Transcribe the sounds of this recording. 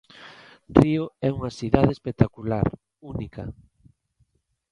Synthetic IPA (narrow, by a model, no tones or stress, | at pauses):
rioɛuŋɐsiðaðespek̚t̪akula̰ɾ | unikɐ